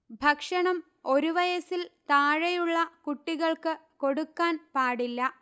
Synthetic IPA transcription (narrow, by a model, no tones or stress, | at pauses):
bʱɐkʂɐɳɐm | o̞ɾuʋɐjɐsilt̪aːɻɐjuɭːɐkuʈːiɣɐɭkɨko̞ɽukːaːnpaːɽilːɐ